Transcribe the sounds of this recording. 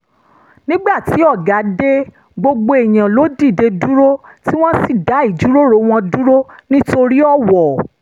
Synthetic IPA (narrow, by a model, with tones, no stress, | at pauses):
nĩ˦ɡ͡ba˦˨ti˨˦ɔ˦˨ɡa˨˦de˦ | ɡ͡bo˧ɡ͡bo˧e˨j̃ã˨lo˨˦di˦˨de˧du˦ɾo˦ti˦w̃ɔ̃˦si˦˨da˨˦i˦˨d͡ʒu˨˦ɾo˦ɾo˧˦w̃ɔ̃˧du˦ɾo˦nĩ˦to˧ɾi˦ɔ˦˨wɔ˨